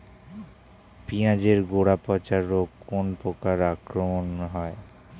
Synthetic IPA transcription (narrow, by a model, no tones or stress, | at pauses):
piãd͡ʑeɾɡoɽapɔt͡ɕaɾokonpɾokaɾakɾomonɦɔe